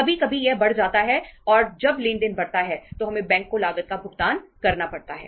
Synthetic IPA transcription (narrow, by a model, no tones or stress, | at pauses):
ɐbʱikɐbʱijɛɦbɐɽ̤d͡ʒaːt̪aɦɛɔːɾd͡ʒɐbleːndɪnbɐɽt̪aɦɛt̪oɦɐmẽbɛ̃ːŋkːolaːɡət̪̚kabʱʊɡt̪aːnkɐɾnapɐɽt̪aɦɛ̰ː